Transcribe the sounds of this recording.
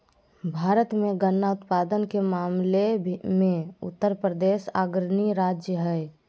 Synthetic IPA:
bʱaːɾət̪mẽɡənːaʊt̪paːd̪ənkemaːmlemẽʊ̰t̪ːəɾpɾəd̪eːʃa̰ːɡɾniɾaːd͡ʒjəɦɛɪ

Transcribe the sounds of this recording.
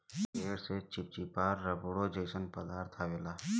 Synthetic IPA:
eːɾset͡ʃɪp̚t͡ʃipaːɾːəbuɽod͡ʒeːsənpəd̪aːɾt̪ʰaʋeːlaː

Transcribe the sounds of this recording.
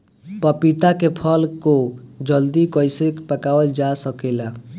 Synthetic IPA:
pəpit̪akepʰəlkod͡ʒəld̪ikəɪsekpəkawəld͡ʒasəkela

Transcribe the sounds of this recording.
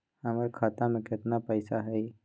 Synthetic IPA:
hɐmaɾkʰaːt̪ãmẽkɪt̪napəjsaɦɛi

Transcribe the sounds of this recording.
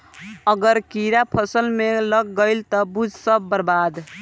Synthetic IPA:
əɡəɾkiɾapʰʌsəlmeləɡɡəjlt̪ɔbud͡ʒʱsəbːəɾbad̪

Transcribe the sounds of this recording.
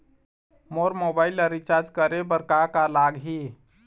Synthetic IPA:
moɾmobailəɾit͡ʃaɾd͡ʒkəɾebəɾkakalaɡɦi

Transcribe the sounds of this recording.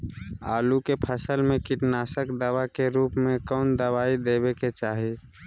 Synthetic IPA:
a̰ːlukepʰəsəlmẽkɪʈnaːsəkd̪əwakeɾuːpmẽkɔːnd̪əwaːid̪eːbeket͡ʃaːɦi

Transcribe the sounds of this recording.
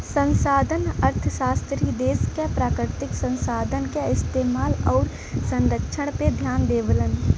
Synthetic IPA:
sə̃nsaːd̪ʱənəɾt̪ʰəʃaːst̪ɾiːd̪eːskepɾaːkɾɪt̪ɪksə̃nsaːd̪ʱənkeɪst̪eːmaːlɔːɾ | sə̃nɾəkʃʰəɽ̃ped̪ʱjaːnd̪eːʋələn

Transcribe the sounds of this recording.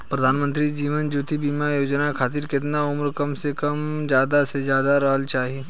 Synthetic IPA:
pɾɐd̪ʱaːnmə̃nt̪ɾid͡ʒiːʋənd͡ʒuːt̪ibiːmajoːd͡ʒnakʰaːt̪̬iːɾkɪt̪̬naʊmɾkɐmsekɐmd͡ʒjaːd̪asezjaːd̪aɾɐɦəlt͡ʃaːɦieː

